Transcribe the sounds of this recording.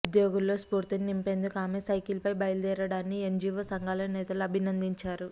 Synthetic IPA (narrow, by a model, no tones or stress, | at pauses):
ud̪joːɡulːo̞ːspuːɾt̪ininimpe̞ːnd̪ukuaːmeːsɐjkilpɐjbɐjɐld̪ɛːɾɐɽaːnːiend͡ʒiːʋoːsɐŋɡaːlɐnɛːt̪ɐluɐbʱinɐnd̪iɲt͡ʃaːɾu